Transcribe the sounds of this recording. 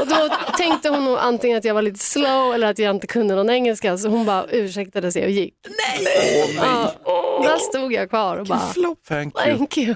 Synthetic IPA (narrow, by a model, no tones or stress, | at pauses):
ɔd̪ɔt̪ʰɛŋkt̪əhʊnːuːɡʔant̪ʰɪŋːənat̪jɑːɡvaɾɭiːt̪ə̥sloʊɛlːəɾat̪jaːɪnt̪əkʰɵnd̪ənɔnɛŋːɛlskas̬ɔhʊnbɑːɾʔʉ̟ːʂɛk̚t̪ad̪əsɛjɔjɪkːnɛ | ɑːd̪æst̪uːɡjɑːkʰvɑːɾɔbɑ̰ːt̪ʰɛŋkʰjʉ